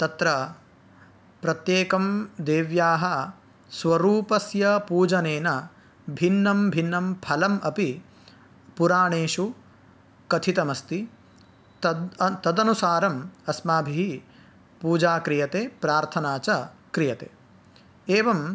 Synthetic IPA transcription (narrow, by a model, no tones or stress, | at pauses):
t̪ɐt̪ɾɐ | pɾɐt̪jeːkɐmd̪eːʋjaːɦɐ | sʋɐɾuːpɐsjɐpuːd͡ʒɐneːnɐ | bʱinːɐmbʱinːɐmpʰɐlɐmɐpi | puɾaːɳeːʃu | kɐt̪ʰit̪ɐmɐst̪i | t̪ɐt̪ɐd̪ɐnusaːɾɐmɐsmaːbʱiɦi | puːd͡ʒaːkɾijɐt̪eːpɾaːɾt̪ʰɐnaːt͡ʃɐkɾijɐt̪ḛː | eːʋɐm